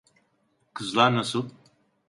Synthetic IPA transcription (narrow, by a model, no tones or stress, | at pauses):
kʰɯzlˠaɾnasɯlˠ